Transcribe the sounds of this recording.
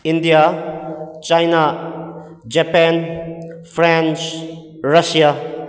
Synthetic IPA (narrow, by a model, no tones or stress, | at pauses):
indija | t͡ʃajna | d͡ʒɛpɛn | pʰɾent͡ʃ | ɾɐsija